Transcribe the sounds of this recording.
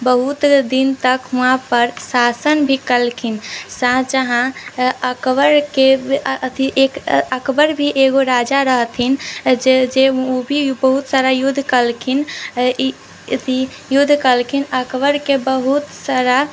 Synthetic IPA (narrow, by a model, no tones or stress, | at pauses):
bəɦut̪d̪int̪əkɦuãpəɾsasənbʱikəlkʰinsãd͡ʒəɦãəkʋəɾkeət̪iʔekəkbəɾbʱiʔeɡoɾad͡ʒaɾəɦt̪ʰind͡ʒed͡ʒeobʱibəɦut̪saɾajud̪ʱːkəlkʰin | t̪i | jud̪ʱkəlkʰinəkbəɾkebəɦut̪saɾa